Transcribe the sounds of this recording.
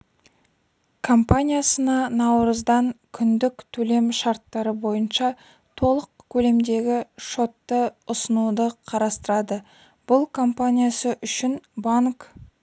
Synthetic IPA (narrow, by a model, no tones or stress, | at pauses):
kʰo̞mpanʲijasənɑnɑwɾəzd̪ɑŋkʲʰʏnd̪ɪkt̪ʰɵle̞mʃɑɾt̪ːɑɾəbo̞jənʃɑ | t̪ʰo̞lˠəqkʲʰɵle̞md̪e̞ɡʲɪʃo̞t̪ːəʊsənud̪əqʰɑɾɑst̪əɾɑd̪ə | b̥ʊlˠkʰo̞mpanʲijasəʔʏʃɪnbaŋk